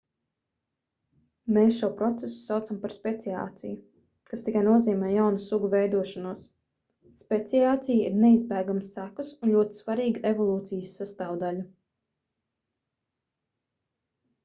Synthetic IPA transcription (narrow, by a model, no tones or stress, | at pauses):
meːsʃuɔpɾɔt̪sesu̥sawt̪sampaɾspet̪sia̰ːt̪sʲḭju | kast̪ikajnuɔziːmɛːjawnusuɡuvɛjd̪uɔʃanuɔsː | pet̪siaːt̪sijiɾnɛizbæːɡamsːækusunʎʲuɔt̪i̥svaɾiːɡaʔevɔlˠuːt̪sijəsːast̪aːwd̪alu